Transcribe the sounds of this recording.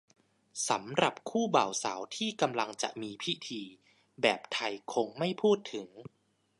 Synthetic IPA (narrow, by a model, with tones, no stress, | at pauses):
sa˩˦mɾa˨˩p̚kʰuː˥˩ba̰ː˨˩wsa̰ː˩˦wt̪ʰiː˥˩ka˧mla˧ŋt͡ɕa̰˨˩ʔmiː˧pʰi˦˥t̪ʰiː˧ | bɛː˨˩p̚t̪ʰa˧jkʰo˧ŋma˥˩jpʰuː˥˩t̪ʰːɯ˩˦ŋ